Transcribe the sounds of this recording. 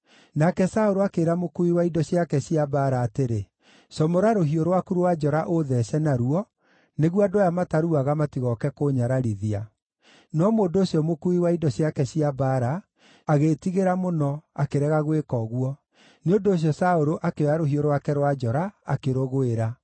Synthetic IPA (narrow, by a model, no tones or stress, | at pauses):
nakɛsaoɾoakeːɾamokuiwaidɔsjakɛsiabaɾaːteɾe | sɔmoɾaɾoɦioɾowakuɾowad͡ʒɔɾaʔoðɛsɛnaɾuɔ | neɣwadojamataɾuaɣamatiɣɔkɛkoɲaɾaɾiðia | nɔmoːndoːɕiɔmokuiwaidɔsiakɛsiabaɾaː | ɣetiɣeɾamonɔakeɾɛɣaɣwekɔɣwɔ | neondoːɕ̬jɔsaoɾoʔakeaɾoɦioɾowakɛɾowad͡ʒɔɾaa̰keɾoɣoeɾa